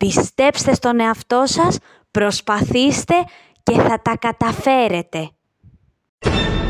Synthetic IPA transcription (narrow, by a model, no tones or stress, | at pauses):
pist̪e̞pst̪e̞st̪o̞ne̞ɐft̪o̞sɐs | pɾo̞spɐθist̪e̞ | ce̞θɐt̪ɐkɐt̪ɐfe̞ɾe̞t̪e̞